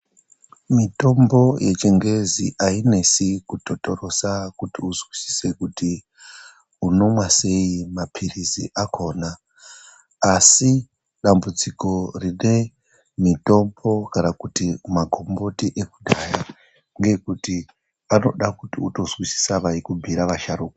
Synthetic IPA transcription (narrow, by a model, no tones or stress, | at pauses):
mito̞mbo̞je̞t͡ʃe̞ŋɡe̞ziʔaine̞sikuto̞to̞ɾo̞sakutiuzwisi̥se̞kuti | uno̞mwase̞imapʰiriziʔakʰo̞ːna | si | ɗambud͡ziko̞rine̞ | mito̞mbo̞kanakutimaɡʱo̞mbo̞tiʔe̞kudʱaja | ŋɡe̞kuti | ano̞̰ɗakutiuto̞zwisi̥saʋaikubʱiɾaʋaʃaɾuːko